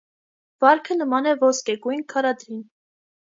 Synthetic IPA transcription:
vɑɾkʰənəmɑnɛvɔskɛɡujnkʰɑɾɑd̪ɾin

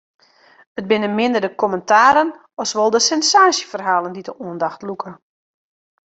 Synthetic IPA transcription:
ət̚bɪnəmɪndərdəkʰɔməntʰaːɾən | ɔsʋɔlˠdəsɛnsaːsjəfərɦaːlˠəndidəʔuəndaxtlukʰə

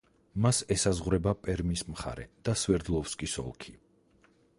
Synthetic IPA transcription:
masɛsazʁɾɛbapʼɛɾmismχa̰ɾɛ̰d̪̥aswɛɾd̪lˠɔfskʼisɔ̰lˠkʰi̥

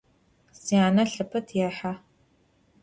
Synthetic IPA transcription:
siaːnɐɬɨpʰɐtʰjɛħa

